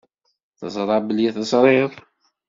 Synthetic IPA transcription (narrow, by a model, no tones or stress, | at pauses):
θəzˤɾˤɑbəljæθəzˤɾˤɪðˤ